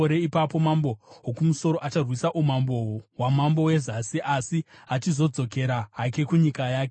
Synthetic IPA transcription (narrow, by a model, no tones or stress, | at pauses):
oɾe̞ipapo̞mambo̞ɦokumuso̞ɾoʔat͡ʃarwisaʔumambowowamambo̞we̞zasiʔasiat͡ʃizo̞d͡zo̞ke̞ɾaɦake̞kuɲikajaːke